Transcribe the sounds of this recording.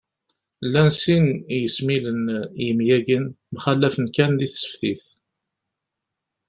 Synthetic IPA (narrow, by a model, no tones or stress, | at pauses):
lːænsinjəsmilənjəmjæɡin | mχælːæfənkænðiθsə̥fθiθ